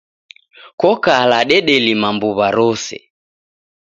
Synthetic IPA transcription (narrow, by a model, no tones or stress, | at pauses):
kɔkalaɗɛɗɛlimambuβaɾɔsɛ̰